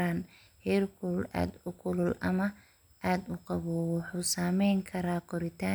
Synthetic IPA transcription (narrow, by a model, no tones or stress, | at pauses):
aːn | hɛːrkʰʊlla̰ːd̪ʊkʰʊlʊlʔɐmɐ | ʔaːd̪ʊqɑβɔːwɑħuːsaːmɛjŋkʰɐɾaːkʰɔɾɪt̪ʰaː